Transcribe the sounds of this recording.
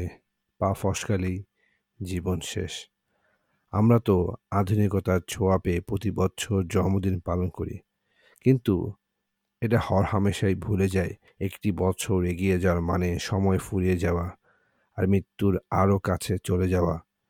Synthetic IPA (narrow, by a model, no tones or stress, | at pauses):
pafɔʃkali | d͡ʑibonʃḛʃ | a̰mɾat̪oad̪ʱunikot̪aɾt͡ɕʰoapepɾot̪ibɔtːɕʰoɾd͡ʑɔmod̪inpalonkoɾḭ | kint̪ṵ | eʈahɔɾhameʃajbʱuled͡ʑae | ekʈibɔtːt͡ɕʰoɾeɡijed͡ʑaoaɾmaneʃɔmɔefuɾijed͡ʑaoa | aɾmɾit̪ːuɾaɾokat͡ɕʰet͡ɕoled͡ʑaoa